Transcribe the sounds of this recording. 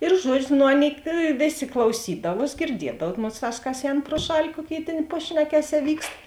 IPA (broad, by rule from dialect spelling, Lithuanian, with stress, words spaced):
ɪr ˈʒuɔd͡ʒʲʊ noː ˈɑːˌnʲeːɪ ˈʋʲeːˌsʲeː klˠɐʊˈsʲiːdɐʋuɔs ɡʲɪrʲˈdʲiɛdɐw ˈmoːsˌtɑːs kɐs ˈɛːn proː ˈʃɑːlʲɪ ˈkuɔˌkʲeːɪ ˈtʲeːn ˈpɑːʃʲnʲɛkʲɛˌsʲɛː ˈʋʲiːkst